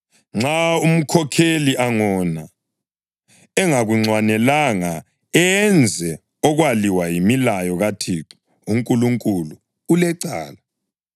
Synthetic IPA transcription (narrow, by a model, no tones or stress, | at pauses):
ŋ͡ǁaum̩kʰɔkʰeliʔaŋɔna | ɛŋaɣuŋ͡ǀwanɛlaŋa | ɛnd͡zʱɛ | ɔɣwaliwajimilajɔɣatʰi | uŋkʼuluŋkʼulu | ulɛǀa̰ːla